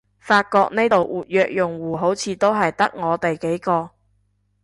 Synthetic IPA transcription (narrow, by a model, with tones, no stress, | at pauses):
faː˧t̚kɔː˧k̚ne˥t̪o˨wʔuː˨˩t̚jœː˧k̚jʊ˨˩ŋwuː˨˩ɦo˨˥wt͡sʰiː˨˧t̪o˥wɦɐ˨jt̪ɐ˥k̚ŋɔː˨˧t̪e˨jke˨˥jkɔː˧